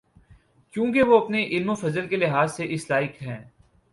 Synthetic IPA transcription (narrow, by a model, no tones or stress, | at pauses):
kjũːkeʋoɐpneʔɪlmofɐzəlkelɪɦaːzseʔɪslaːɪkɦɛ̃ː